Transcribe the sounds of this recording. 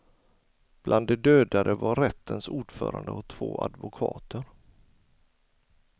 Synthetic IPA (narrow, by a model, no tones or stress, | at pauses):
b̥lʔand̪ːɛd̪øːd̪ad̪əvaɾɛt̪ʰːənsuːɖfœ̰ːɾand̪əɔt̪ʰːv̥oːʔa̰d̪vʊkʰɑːt̪əɾ